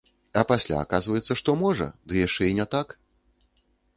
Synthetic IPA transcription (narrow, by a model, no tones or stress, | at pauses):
ɐpasʲlʲa̰ːkazvɐjɛt̪sːɐʂt̪ɔmɔʐɐ̰d̪ɨjaʂt͡ʂɛinʲɛt̪ak